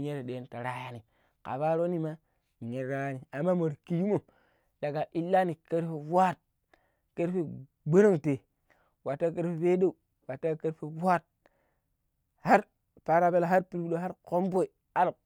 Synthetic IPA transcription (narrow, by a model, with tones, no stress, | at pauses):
ɲe˦ɾe˨ɗe˨˦nta˨ɾa˨˦ja˦ni˨ | ka̰˨ba˦ɾo˦ni˦ma˦˨ | ɲe˨ɾa˦ja˦ni˨a˨mːa˦mo˨ɾki˦ju˦mo˨m | ɗa˨ɡa˨ʔi˦lːa˦ni˨ke˦ɾfe˨bwa˦t̚ | ke˦ɾfe˨ | ɡ͡be˦ɾo˦ŋte˨ | wa˨tːa˦ke˦ɾfe˦˨pe˦de˦u˨ | wa˨tːa˦ke˦ɾfe˦bu˦a˦t̚ | ha˦ɾ | pa˨ɾa˨be˦la˨ɦa˦ɾpi˨ɾbɗo˨ɦa˦ɾko˦mbo˦˨i˨ | a˦l